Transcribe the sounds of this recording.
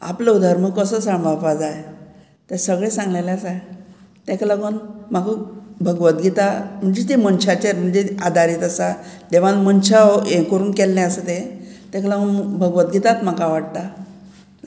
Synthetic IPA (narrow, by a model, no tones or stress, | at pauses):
a̰pləud̪ʱaɾməkəsəsaɳʋapad͡zaj | t̪esəɡɭesãŋɡlelasa | t̪ɛklaɡunm̤akəbʱəɡʋət̪̚ɡit̪am̤əɳd͡zet̪̬imənɕat͡ɕeɾm̤əɳd͡zead̪ʱaɾiːt̪əsad̪eʋanmənɕaekəɾuːnkɛlnɛ̃əsət̪et̪ɛ̃klaɡunbʱəɡʋət̪ɡit̪at̪m̤akaʋaɽt̪a